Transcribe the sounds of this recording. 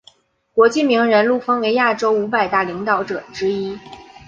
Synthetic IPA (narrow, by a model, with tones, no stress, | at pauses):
kwɔ˧˥t͡ɕi˥˩mi˧˥ŋɻə˧˥nlu˥˩fə˥ŋwe˧˥ɪja˥˩ʈ͡ʂo˥ʊu˧˥pa˨˩ɪt̪a˥˩li˧˥ŋt̪ɑ˧˥ʊʈ͡ʂɤ˨˩ʈ͡ʂɻ̩˥i˥